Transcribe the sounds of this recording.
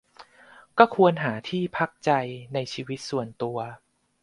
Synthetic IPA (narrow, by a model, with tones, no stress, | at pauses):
kɔː˥˩kʰu˧ənɦaː˩˦t̪ʰiː˥˩pʰa˦˥k̚t͡ɕa˧jna˧jt͡ɕʰiː˧wi˦˥t̪̚su˨˩ənt̪u˧ɐ